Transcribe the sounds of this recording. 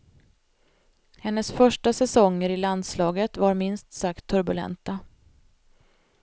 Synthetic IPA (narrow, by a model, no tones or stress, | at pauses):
hɛnːəsfœʂʈasɛsɔŋːəɾɪland̪slɑːɡət̪vaɾmɪnst̪sakt̪ʰːɵɾbɵlɛ̰nt̪a